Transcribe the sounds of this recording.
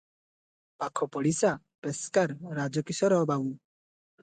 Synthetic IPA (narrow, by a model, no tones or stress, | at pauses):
pakʰɔpɔɽisa | peskaɾːad͡ʒɔkisɔɾɔbawu